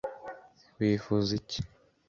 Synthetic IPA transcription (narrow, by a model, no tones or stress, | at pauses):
wiːfuzici̥